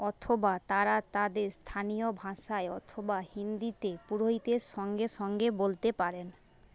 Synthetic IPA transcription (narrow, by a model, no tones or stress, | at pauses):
ɔt̪ʰobat̪aɾat̪ad̪eɾst̪ʰanijobʱaʃaeɔ̰t̪ʰobahind̪it̪epuɾoɦit̪eɾʃɔŋɡeʃɔŋɡebolt̪epaɾen